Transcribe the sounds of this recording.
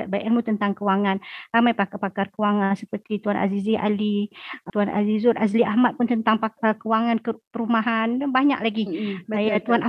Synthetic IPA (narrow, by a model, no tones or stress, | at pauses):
bajʔɛlmut̪ənt̪aŋkəwaŋanramajpakapakarkəwaŋansəpərt̪it̪uanʔa̰ziziʔa̰lit̪uana̰zizʊnazliahmat̪̚pʊnt̪ənt̪aŋpakəwaŋankəpəɾumaɦanbaɲa̰ʔlaɡiajat̪uanʔa